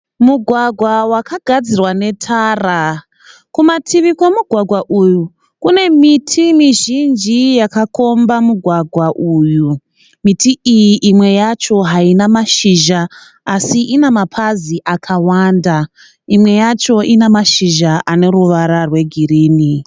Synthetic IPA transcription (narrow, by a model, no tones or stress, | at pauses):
muɡʱwaɡʱwawakaɡʱad͡zirwane̞tʰaːra | kumatʰiʋikwe̞muɡʱwaɡʱwaʔuju | kune̞mitʰimiʒind͡ʒijakako̞mbamuɡʱwaɡʱwaʔuːju | mitiijiʔimwe̞jat͡ʃo̞ɦainamaʃiʒaː | siʔinamapʰaziʔakʰawaːnda | imwe̞jat͡ʃo̞ʔinamaʃiʒaʔane̞ruʋaɾarwe̞ɡʱiriːni